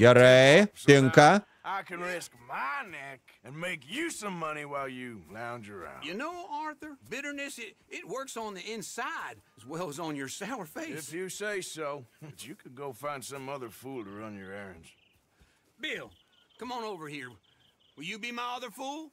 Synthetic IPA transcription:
jəɾeɪŋkə | ʔaɪkɨ̃nɹɪsk̚maɪnɛk | ɨ̃nmeɪkjɨsʌ̃mʌñiwaɪlˠjɨlãʊ̃nd͡ʒə̰˞a̰ʊjɨnoʊɑɹθə˞bɪɾə˞nɨsɪɾɪt̚wɜ˞ksn̩ðiɪ̃nsaɪɾɨzwɛlˠzn̩jə˞saʊə˞feɪɪfjɨseɪsoʊb̥ʌt͡ʃɨkʰɨd̚ɡoʊfãɪ̃nd̥sʌ̃mʌðə˞fulˠtəɹʌ̃njə˞ɛɹɨ̰̃nʒ̥ | bɪlˠkʰʌ̃mə̃noʊvə˞hiɹ | wɨlˠjɨbimaɪʌðə˞fulˠ

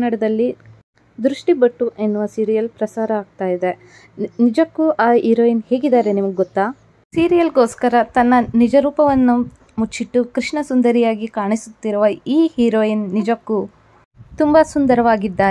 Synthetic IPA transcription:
nːɐɽɐd̪ɐlːi | d̪ɾuʂʈibɐʈːuʔenːuʋɐsiːɾijɐlpɾɐsaːɾɐaːɡ̚t̪aːjid̪e̞ | nid͡ʒɐkːuʔaːɦiːɾoːjinheːɡid̪aːɾenimɐɡɡɔt̪ːaː | siːɾijɐlɡo̞ːskɐɾɐt̪ɐnːɐnid͡ʒɐɾuːpɐʋɐnːu | mut͡ʃːiʈːukɾiʂɳɐsund̪ɐɾijaːɡikaːɳisut̪ːiɾuʋɐiːhiɾoːjinːid͡ʒɐkːu | t̪umbɐsund̪ɐɾɐʋaːɡid̪ːaːɾe

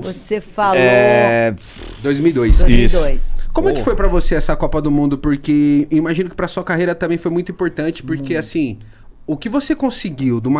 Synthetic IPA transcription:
vosefalɛ | d̪ojzmiwid̪ojsisdojskõmʊɛkɪfojpɾɐvoseɛsɐkɔpɐd̪ʊmũnd̪ʊpoɾkeĩmaʒĩnʊkɪ̥pɾɐsuɐkaɦejɾɐt̪ɐ̃mbẽj̃fojmũj̃t̪ʊĩpoɾt̪ɐ̃t͡ʃɪ̥poɾkeasĩ | ʊkɪvosekõsɪɡiwd̪ũmɐ

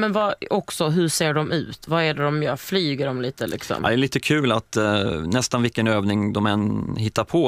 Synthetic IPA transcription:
mɛnvaɔksɔɦɵʂeːɖɔmʔʉ̟̰ːt̪vaæɖɛd̪ɔmjœːɾflyːɡəɾɔmliːt̪əlɪ̰ksɔ̰md̪ɛliːt̪əkʰʉ̟ːlat̪nɛst̪anvɪlkːənøːvnɪŋd̪ɔmɛnhɪt̪ːaɾpʰɔ

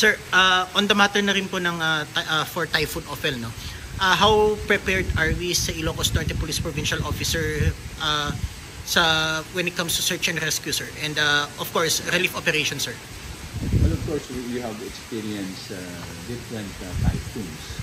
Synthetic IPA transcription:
sɛɹʔaʔɔnd̪ɐmat̪ɛɹnɐɾɪnponɐŋaʔafɔɹt̪ajfunʔofɛlno | ʔaɦawpɹɛpɛɹd̪ɐɹwisɐʔɪloːkost̪ant̪ɛpʊlispɹovinʃɐlʔofɪsɛɹʔa | sɐwɛnɪt̪̚kɐmst̪u̥sɛɹt͡ʃɛ̃nɾɛskjusɛɹʔɛ̃nd̪aʔɔfkoɹsɾɛlifopɛɾejʃɔnsɛɹ | wɛlɔvkɔɹsjuhavɛkspiɹiɛ̃nsa | d̪ɪfɾɛ̃nt̪t̪a̰jfuns

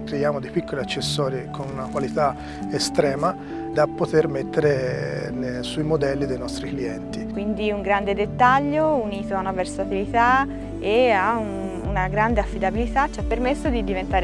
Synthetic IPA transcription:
kɾejaːmod̪ejpikːoliat͡ʃːesːɔːɾikʰonunakwalit̪a | est̪ɾɛːma | d̪apːot̪ermet̪ːeɾe | suimod̪ɛlːid̪ejnɔst̪ɾikliɛnt̪ikwind̪iuŋɡɾand̪ed̪et̪ːaʎːouniːt̪oanːaversat̪ivit̪a | eaun | unaɡɾand̪eafːid̪abilit̪at͡ʃːiapːermesːod̪id̪ivent̪aːɾ

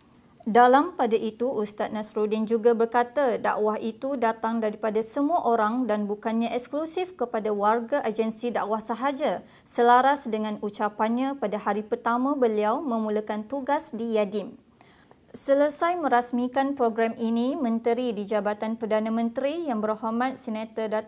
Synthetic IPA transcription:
dalampadaʔit̪uʔust̪at̪̚nãsɾodind͡ʒuɡabərkat̪ada̰ʔwaɦit̪udat̪aŋdaɾipadasəmuaʔoɾaŋdanbukanɲãʔɛksklusifkəpadawarɡaʔad͡ʒənsida̰ʔwahsaɦad͡ʒa | səlaɾasdəŋãnut͡ʃapanɲãpadahaɾipərt̪amãbəliawmə̃muləkant̪uɡasdijadɪm | sələsajmə̃ɾasmikanpɾoɡɾaminĩmə̃nt̪əɾidid͡ʒabat̪anpərdanãmə̃nt̪ɾijaŋbərhomãt̪̚sənat̪ada

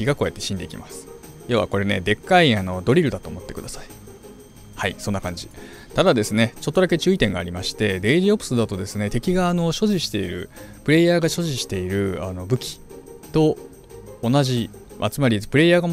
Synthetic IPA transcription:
iɡako̞ːet̪ːe̞ɕĩnd̪e̞ikʲimasɨ̥ | joːβa̰ko̞ɾe̞ne̞d̪e̞kːaiano̞d̪o̞ɾʲiɾɯ̟d̪at̪oːmo̞t̪ːe̞kɯ̟d̪asai̥ | haiso̞nːakãɲ̟d͡ʑi | t̪ad̪ad̪e̞sɨne̞t͡ɕo̞t̪ːoake̞t͡ɕɨːit̪ẽ̞ŋɡaːɾʲimaɕi̥t̪e̞d̪e̞ːʑiopɯ̟sɨd̪at̪o̞d̪e̞sɨne̞t̪e̞kʲiɡaːno̞ɕo̞ʑiɕi̥t̪e̞iɾɯ̟̰pɯ̟ɾe̞ːjaːɡaɕo̞ʑiɕi̥t̪e̞iɾɯ̟ano̞bɯ̟kʲi̥t̪o̞ː | naʑi | ʔa̰t͡sɨmaɾʲipɯ̟ɾe̞jaːɡam

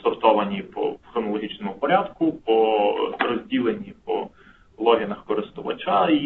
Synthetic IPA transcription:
sɔrt̪ɔʋɐnʲipɔ̰xɾɔnɔlˠɔɦʲit͡ʃnɔmʊpɔɾʲad̪kʊpɔrɔzʲdʲilˠenʲipɔ̰ | lˠɔɦʲinɐxkɔɾɪst̪ʊʋɐ̰t͡ʃai

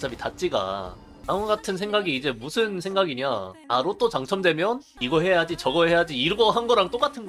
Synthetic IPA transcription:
s͈ʰabitat̚t͡ɕ͈iɡa̰ | amuɡatʰɯnsʰe̞ŋɡaɡiːd͡ʑe̞musʰɯnsʰe̞ŋɡaɡiɲaaɾot͈ot͡ɕaŋt͡ɕʰʌmdwe̞mjʌn | iɡʌɦe̞jad͡ʑit͡ɕʌɡʌɦe̞jad͡ʑiːɾɡʌɦanɡʌɾaŋt͈ok͈atʰɯnɡ

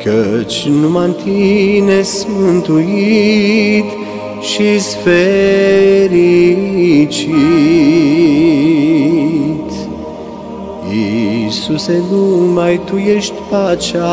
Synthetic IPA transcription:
kʰət͡ʃnumant̪ʰinesmɨnt̪ui | t̪ | ʃisfe | ɾi | t͡ʃi | t̪ | isusenumajt̪ujeʃt̪ʲpat͡ʃa

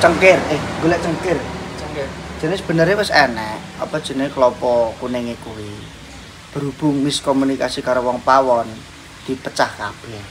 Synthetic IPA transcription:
t͡ʃəŋkɪrɪhɡolɛʔt͡ʃəŋkɪr | d̥ʒ̥ə̤nɪsəb̥ə̤nəɾewɪsɛnɛʔɔ̰pɔd̥ʒ̥ə̤nɪklɔpɔkunɪŋekuwi | b̥ə̤ɾub̥ʊŋmɪskɔmunikasikaɾowɔŋpawɔn | d̪̥i̤pət͡ʃahka̰b̥ɛh

